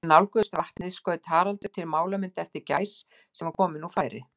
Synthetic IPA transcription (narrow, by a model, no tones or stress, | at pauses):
nawlkœðʏst̪vaht̪nɪðɪskœːðɪt̪ʰaːɾalt̪ʏɾ̥t̪ʰɪlmaːwlamɪnt̪ɛft̪ɪɾcaːjsː | ɛmaɾkʰɔːmɪnːufaːjɾɪ̰